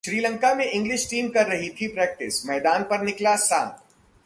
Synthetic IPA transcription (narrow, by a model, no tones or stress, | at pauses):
ʃɾiːlə̃ŋkamẽʔɪ̃ŋɡlɪʃʈiːmkɐɾːɐɦit̪ʰipɾɛːk̚ʈɪsmɛːd̪aːnpɐɾnɪklasaːt̪ʰ